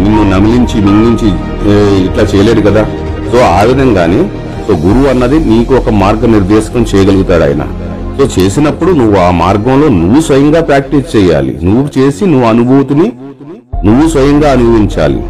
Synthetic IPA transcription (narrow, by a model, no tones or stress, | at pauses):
ninːunɐmiliɲt͡ʃiminniɲt͡ʃi | iʈlaːt͡ʃɛːjɐleːd̪ukɐd̪aː | so̞ːaːʋid̪ʱɐŋɡaːneː | so̞ːɡuɾuʋɐnːɐd̪iniːkuɔkɐmaːɾɡɐniɾd̪ɛːʃɐ̥kɐmt͡ʃɛːjɐɡɐluɡut̪aːɽɐ̰ːjɐna̰ | so̞ːt͡ʃe̞ːsinɐpːuɽunuʋːuaːmaːɾɡɐmlo̞ːnuʋːusʋɐjɐŋɡaːpɾaːk̚ʈist͡ʃɛːja̰ːlḭnuʋːut͡ʃe̞ːsinuʋːuɐnubʱuːt̪uni | nuʋːusʋɐjɐŋɡaːɐnubʱɐʋiɲt͡ʃa̰ːlḭ